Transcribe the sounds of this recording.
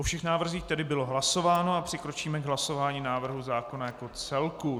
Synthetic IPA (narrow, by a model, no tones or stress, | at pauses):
ʔofʃɛxnaːvr̩ziːxt̪ɛdɪbɪlo̞ɦlaso̞vaːnoapr̥ɪkɾo̞t͡ʃiːmɛɡɦlaso̞vaːɲiːnaːvr̩ɦuzaːko̞najakot͡sɛlku